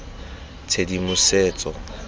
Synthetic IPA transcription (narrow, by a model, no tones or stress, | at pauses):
t͡sʰedimʊseːt͡sʼɔ